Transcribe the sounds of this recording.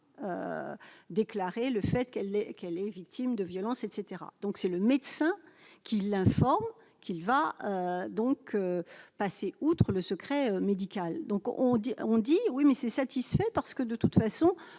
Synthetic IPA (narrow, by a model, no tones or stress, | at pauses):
ø̰ | d̪eklaʁeləfɛt̪kɛlɛkɛlɛvik̚t̪imd̪əvjɔlɑ̃sɛt̪set̪eʁa̰d̪̥ɔ̃ksɛləmɛd̪sɛ̃kʲilɛ̃fɔʁm | kʰʲilvaød̪ɔ̃kʰøpaseut̪χələsəkχɛømed̪ikʲald̪ɔ̃kʔɔ̃d̪iɔ̃d̪iwimɛsɛsat̪isfɛpaʁsə̥kəd̪ət̪ut̪fasɔ̃